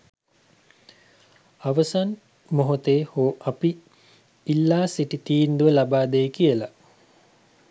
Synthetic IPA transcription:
aʋəsan | moɦot̪eːhoːʔapiː | lːaːsiʈit̪iːnd̪uʋəlabaːd̪ejkijəla

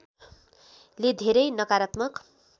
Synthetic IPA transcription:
led̪ʱeɾʌjnʌkaɾʌt̪mʌk

